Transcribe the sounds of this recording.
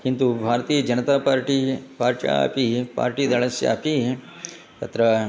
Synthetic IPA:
hint̪ubʱaːɾɐt̪iːjɐd͡ʒɐnɐt̪aːpaːɾʈipaːɾt͡ʃa̰a̰ːpipa̰ːɾʈiːd̪ɐɭɐsja̰ːpi | t̪ɐt̪ɾɐ

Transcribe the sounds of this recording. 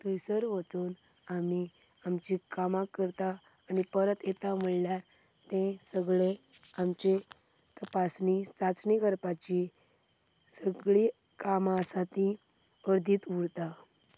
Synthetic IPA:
t̪əjsəɾʋət͡s̪uːn | ami | amt͡ɕikamãkːəɾt̪aː | nipəɾət̪et̪am̤əɭljaɾ | t̪ẽsəɡɭeamt͡ɕe | t̪əpasnit͡sat͡sniɡəɾpat͡ɕi | səɡɭi | kamasat̪ĩ | əɾd̪ʱiːt̪uɽt̪a

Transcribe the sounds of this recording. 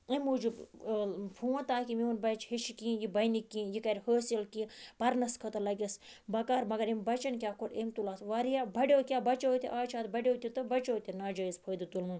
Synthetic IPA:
emuːd͡ʒub | pʰuːɐ̃t̪aːkimiunbɐt͡ʃhiʃikĩːjibɐjnikʲːĩːjikɐɾʲhəːsilkĩpɐɾnɐskʰɐt̪ɐlɐɡʲis | bɐkaːɾmɐɡɐɾimbɐt͡ʃɐnkʲaːkoʈemt̪ulaːsʋaːɾijaːbɐɖʲoːkʲaːbɐt͡ʃoːt̪ʲḭʔaːt͡ʃʰaːt̪bɐɖʲoːt̪ʲit̪ɨbɐt͡ʃoːt̪ʲinaːd͡ʒɐizpʰoːjd̪ɨt̪ulmun

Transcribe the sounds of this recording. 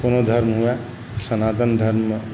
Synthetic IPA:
konod̪ʱʌɾmɦua | sənat̪ənd̪ʱəɾm

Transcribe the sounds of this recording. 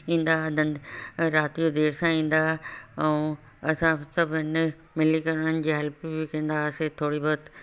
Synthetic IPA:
ĩːnd̪aɐd̪ʱə̃nɾaːt̪ijod̪eːɾsãĩːn̆d̪aɛũ | ɐsãsɐbʱɪn | mɪlikɐɾɽənɪ̆d͡ʑiːɦɐlpbikɐ̃ĩːn̆d̪aset̪ʰoːɽibɔət̪

